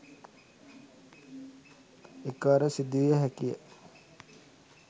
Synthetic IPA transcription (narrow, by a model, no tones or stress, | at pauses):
ekəʋaɾəsid̪ːuʋijəɦækijə̰